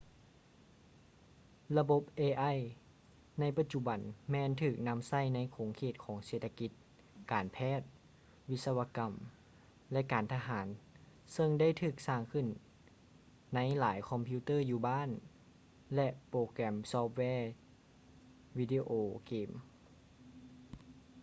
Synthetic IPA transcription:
la˧bo˧˥p̚ʔeː˧ʔa˧˥˨j | na˧˥jpa˧t̪̚t͡ɕu˧˩ba˨˦nmɛː˧˨nt̪ʰɯː˧˩k̚na˧˥msa˥˩jna˧˥˨jkʰoː˩˦ŋkʰeː˧˩t̪̚kʰɔː˩˦ŋseː˧˩t̪ʰa˧ki˧˥t̪̚ | kaː˨˩npʰɛː˥˩t̪̚ | wi˦˥t̪̚sa˧wa˧ka˨˩m | lɛ˧ʔkaː˨˩nt̪ʰa˧ɦaː˩˦n | sɤ˧ŋda˥˩˨jt̪ʰɯː˧˩k̚saː˧˩ŋkʰɯ˧˩˨n | a˧˥jlaː˩˦jkʰɔ˧mpʰi˧˥t̪ɤː˥˩juː˧baː˥˨n | lɛ˧ʔpɾoː˧˩kɾɛ˧˩msɔː˧˥p̚wɛː˧˩ | wiː˧diː˧ʔoː˧˩keː˧˩m

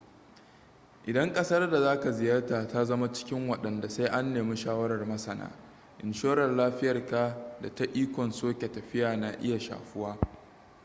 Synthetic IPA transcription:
ʔɪ˨dɐ˦ŋkʼɐ˦sɐ˦rda˨zaː˦ka˨zɪ˨jɐ˦rtaː˨ta˦zɐ˦ma˦t͡ʃɪ̥˦kʲɪ˦ŋwɐ˨ɗɐ˨nda˨sa˦jʔa˦nːeː˨mi˦ʃaː˦wɐ˦ɾɐ˨rmɐ˦sɐ˨na̰ː˦ | ʔɪ˨nʃoː˦ɾɐ˨rlaː˦ɸɪ˦jɐ˨rka˨da˨ta˦ʔiː˦kʷɔ˨nsoː˦kʲe˨tɐ˨ɸɪ˦jaː˨na˨ʔɪ˦ja˨ʃa̰ː˨ɸʊ˦waː˦

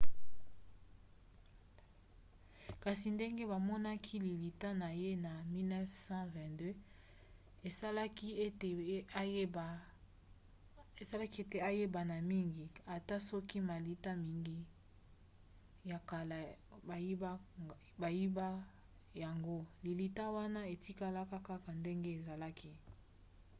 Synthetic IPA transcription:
ka˨si˨nde˦ŋɡe˦ba˨mɔ˦na˦kʰi˦li˨li˨ta˦na˨je˦na˨mi˦lnɛ˦fsɑ̃˦vɛ̃˨dø˦ | e˨a˦lki˦e˦te˨˦˨ | e˨sa˦la˦ki˦e˦te˨a˦je˦ba˨na˨mi˦ŋɡi˨a˨ta˦sɔ˦ki˦ma˨li˨ta˦mi˨ŋɡi˦ | ja˨ka˨la˨ba˨ji˦ba˦ | ba˨ji˦ba˦ | ja˨ŋɡo˦li˨li˨ta˦wa˦na˦e˨ti˦ka˦la˦ka˦ka˦ka˨nde˦ŋɡe˦e˨za˨la˦kʰi˦

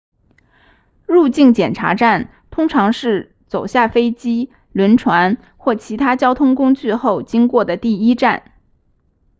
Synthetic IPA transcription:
ɻu˥˧t͡ɕi˥˩ŋt͡ɕjɛ˨˩nʈ͡ʂʰa̰˧˥ʈ͡ʂa˥˩n | t̪ʰʊ˥ŋʈ͡ʂʰɑ˧˥ŋʂɻ̩˥˩ | t͡so˨˩ʊɕja˥˩fe˥ɪt͡ɕi˥ | lwə˧˥nʈ͡ʂʰwa˧˥n | xwɔ˥˩t͡ɕʰi˧˥t̪ʰa˥t͡ɕjɑ˥ʊt̪ʰʊ˥ŋkʊ˥ŋt͡ɕy˥˧xo˥˩ʊt͡ɕi˥ŋkwɔ˥˩d̪ə˩t̪i˥˩i˥ʈ͡ʂa˥˩n

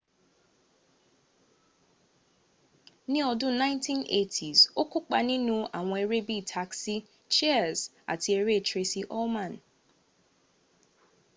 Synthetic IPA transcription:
nɪ̃˦ɔ˨dʊ˦nã˦ɪ̃˦ntʰĩ˦nʔḛ˦˨tʰi˨zo˦kʰʊ˦k͡pa˨nɪ̃˦nũ˦a˨ŋɔ̃˨˦e˨ɾe˦bi˦˨tʰa˨ksi˦ | t͡ʃɛ˦˨z | a̰˨tʰi˨e˨ɾe˦˨t͡ʃʰɾe˦si˦ʔɔ˦mã˨n

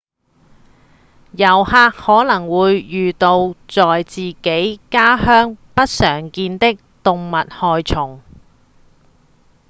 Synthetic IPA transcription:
jɐ˨˩whaː˧k̚hɔː˨˥lɐ˨˩ŋwuː˨˧jːyː˨t̪o˧wt͡sɔː˨jt͡siː˨ke˨˥jkaː˥hœː˥ŋpɐ˥t̚sœː˨˩ŋkiː˧nt̪ɪ˥k̚t̪ʊ˨ŋmɐ˨t̚hɔː˨jt͡sʰʊ˨˩ŋ

